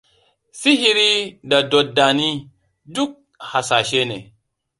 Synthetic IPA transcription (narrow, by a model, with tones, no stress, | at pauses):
fi˦ɦi˦ɾi˦da˨do˨t̚da˨ni˦ | du˦k̚ | ha˨sa˨ʃe˦nḛ˨